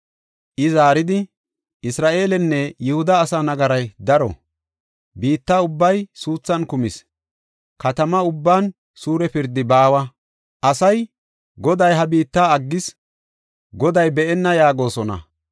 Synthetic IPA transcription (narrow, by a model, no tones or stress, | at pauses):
ʔɪzaːɾɪd̪ɪ | ʔɪsɾaːʔe̞ːlɛnːɛjʊhʊd̪ɐːsaːnɐɡɐɾɐjd̪ɐɾɔ̰ | biːt̪ːaʊbːɐjsuːt͡sːɐnkʊmɪs | kɐt̪ɐmɐʊbːaːn | suːɾɛpɪɾd̪ɪbaːwɐ | ʔɐsɐj | ɡɔd̪ɐjɦɐbiːt̪ːaːɐɡːɪs | ɡɔd̪ɐjbɛʔɛnːɐjaːɡo̞ːsɔnɐ̰